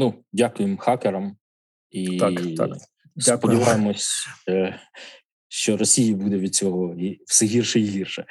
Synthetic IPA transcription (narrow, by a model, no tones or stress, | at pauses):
nudʲakʊjɪmxɑkeɾɐm | ḭ | spɔdʲiʋɑjemɔsʲ | ʃt͡ʃɔɾɔsʲijibud̪ɛʋʲid̪̚t͡sʲɔɦɔiw̥sɛɦʲirʃɛiɦirʃɛ